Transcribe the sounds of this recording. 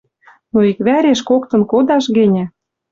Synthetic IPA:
noikβæɾeʃkokt̪ɤ̆nkod̪ɑʃɣĕnʲæ

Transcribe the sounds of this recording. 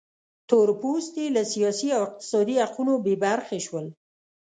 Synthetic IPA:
t̪oɾpust̪ilasijɑsiawɪq̚t̪ɪ̥sɑd̪ihaqunobebaɾxeʃwəl

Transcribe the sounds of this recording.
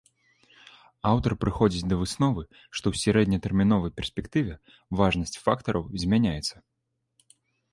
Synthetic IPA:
awt̪ɐrpɾɨxɔd͡zʲit͡sʲd̪ɐvɨsnɔvɨ | ʂt̪ɔwsʲaɾɛd̪nʲɐt̪ɛrmʲin̪ɔvɐjpʲɛrsʲpʲɛkt̪ɨvʲɛ | vaʐnɐsʲt͡sʲfakt̪ɐɾʔɐwzʲmʲanʲajɛt̪sːɐ

